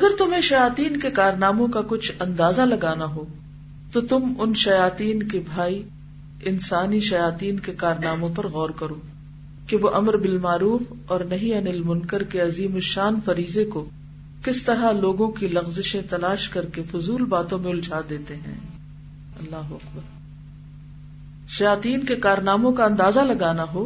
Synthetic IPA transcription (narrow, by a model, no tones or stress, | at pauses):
ɐɡəɾt̪ʊmɦẽʃɐjaːt̪iːnkekaːɾnaːmõkakʊt͡ʃʰɐ̃nd̪aːzalɐɡaːnaɦoː | t̪ot̪ʊmʊnʃɐjaːt̪iːnkebʱaːi | ɪnsaːniʃɐjaːt̪iːnkekaːɾnaːmõp̬ɐɾɣɔːɾkɐɾoː | keʋoʔɐmɾbɪlmaːɾuːf | ɔːɾnɐɦĩɐnɪlmʊ̃nkəɾkeɐziːmʊʃaːnfɐɾiːzeko | kɪst̪ɐɾaloːɡõkilɐɣzɪʃẽt̪ɐlaːʃkɐɾkefʊzuːlbaːt̪õmẽʊld͡ʒʱaːd̪eːt̪eɦɛ̰̃ː | ɐlːaːɦoɐkbəɾ | ʃɐjaːt̪iːnkekaːɾnaːmõkaɐ̃nd̪aːzalɐɡaːnaɦoː